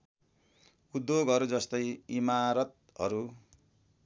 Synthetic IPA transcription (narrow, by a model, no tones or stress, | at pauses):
ud̪joɡʌɾud͡zʌst̪ʌjimaɾʌt̪̚ | ɦʌ̰ɾu